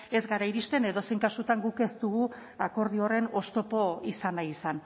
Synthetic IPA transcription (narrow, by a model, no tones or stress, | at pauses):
e̞zɡaɾaiɾist̪e̞ne̞ðo̞se̞jŋkasut̪aŋɡuke̞st̪uɣuako̞ɾð̞io̞re̞no̞st̪o̞po̞isanajisan